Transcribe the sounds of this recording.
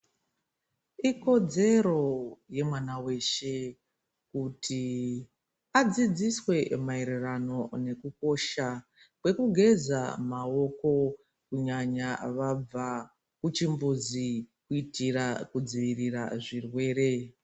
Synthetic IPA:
iko̞d͡ze̞ɾo̞je̞mwanawe̞ʃe̞ | kutʰi | ad͡zid͡ziswe̞maeɾerano̞ne̞kuko̞ʃa | kwe̞kuɡʱe̞za̰mao̞ko̞ | kuɲaɲaʋab͡va | kut͡ʃimbuzikuitirakud͡ziʋiriraʐirwe̞ːɾe̞

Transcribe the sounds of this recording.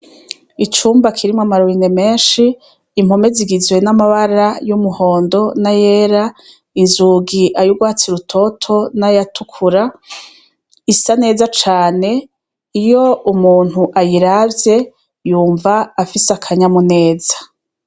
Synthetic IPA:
it͡ʃuːmbakʰiɾimŋamaɾoɾineme̞ːnʃiː | mho̞me̞ziɡizwe̞namaβaɾajumuho̞ːndo̞naje̞ːɾa | inzuɡiʔajuɡwaːt͡siɾutʰo̞tʰo̞najatʰukʰuɾa | isane̞ːzat͡ʃaːne̞ | ijo̞umuːn̥uʔajiɾabje̞ | juːɱvaːfisakʰaɲamune̞ːzḁ

